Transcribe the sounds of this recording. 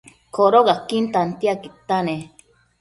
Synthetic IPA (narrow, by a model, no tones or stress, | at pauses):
kʰoɾoɣakint̪ant̪iakit̪ane